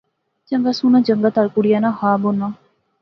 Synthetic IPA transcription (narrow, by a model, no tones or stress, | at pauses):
d͡ʒəŋɡasunãd͡ʒəŋɡat̪alkuɽijanahaːbonã